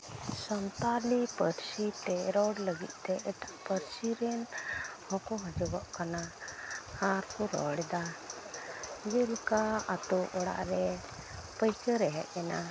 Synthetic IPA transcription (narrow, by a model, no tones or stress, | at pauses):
sɔnt̪alipəɾsit̪ɛɾɔɽləɡḭt̪̚ˀt̪ɛʔɛʈaʔpəɾsiɾɛnhɔ̃kɔɦɔ̃d͡ʒɔbɔʔkana | haɾkɔɾɔ̰ɽɛd̪a | d͡ʒəlkaat̪ɔʔɔɽa̰ʔɾɛ | pəjkəɾɛɦɛ̰ʔɛna